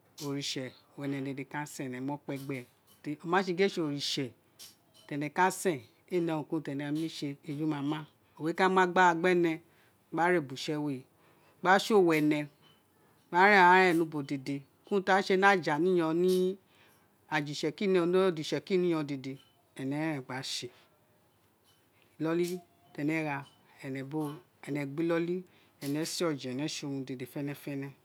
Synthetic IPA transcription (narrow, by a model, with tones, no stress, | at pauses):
o˨ɾi˨ʃɛ˨wɛ˨nɛ̃˨de˨de˨ka˦sɛ̃˨nɛ̃˨˦mɔ̃˦k͡pɛ˧ɡ͡bɛ˨ | te˧o˧mãː˨˦ʃe˧ɡe˦ʃe˧o˨ɾi˨ʃɛ˨ | tɛ˨nɛ̃˨ka˦sɛ̃˦˨ | e˦˨nɛ̃˨˧˨ũ˨kũ˦tɛ˨nɛ˨˧˨mĩ˦ʃe˧e˧d͡ʒu˦mã˨˧˦mã˦ | o˨e˨˦ka˦mã˦ɡ͡ba˦a˧ɡ͡bɛ˦˨nɛ̃˧ | ɡ͡ba˦ɾe˦˨bu˨ʃɛ˧we˨ | ɡ͡ba˦ʃo˦˨wɛ˨nɛ̃˨ | ɡ͡ba˦ɾɛ̃˦˨a˨˦ɾɛ˦˨nũ˧˦bo˨de˨de˧ | kũ˦tã˦e˧nã˦˨d͡ʒa˨nĩ˦j̃ɔ̃˧nĩ˦ | a˨d͡ʒi˨ʃɛ˨ki˦ñ˦˧n˦˨d͡ʒi˨ɛ˨ki˦nĩ˦ɔ̃˧de˨de˨ | ɛ˨nɛ̃˨˦ɛ̃˨ɡ͡ba˨˦ʃe˧˨ | lɔ˦li˦ | tɛ˧nɛ̃˨˦ɾa˧ | ɛ˨nɛ̃˨bo˦ | ɛ˨nɛ̃˨ɡ͡bi˦lɔ˦li˦ | ɛ˨nɛ̃˨˦si˦ɔ˦˨d͡ʒɛ̃˨nɛ̃˨˦ʃe˧o˧˨ũ˧de˨de˨fɛ˦nɛ̃˧fɛ˦nɛ̃˧